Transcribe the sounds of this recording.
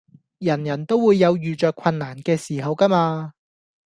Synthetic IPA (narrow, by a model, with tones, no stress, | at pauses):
jɐ˨˩njɐ˨˩nt̪o˥wːuː˨˧jːɐ˨˧wjyː˨t͡ʃœː˨˧kʷʰwɐ˧nːaː˨˩nkɛː˧siː˨˩ɦɐ˨˧wkɐ˥maː˧